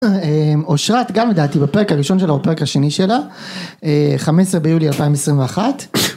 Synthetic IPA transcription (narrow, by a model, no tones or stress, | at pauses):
emoʃʁat̪ɡamled̪aːt̪ibape̞ekaʁiʃo̞nʃelabape̞ʁ̞ekhaʃe̞niʃela | eχamesʁebejulialpaimesʁimveaχat̪